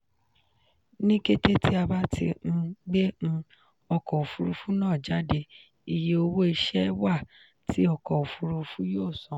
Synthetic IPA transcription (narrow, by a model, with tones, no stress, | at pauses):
nĩ˦ke˦te˦ti˦a˧ba˦tʰḭ˧ñ̩˦ɡ͡be˦ñ̩˧ | ɔ˧kɔ˨u˨fu˧ɾu˧fu˦nãː˦˨d͡ʒa˨˦de˧ | i˨je˨˦o˧wo˦i˧ʃɛ˦wa˦˨ | tʰi˨˦ɔ˧kɔ˨u˨fu˧ɾu˧fu˦joː˦˨sɔ̃˨˦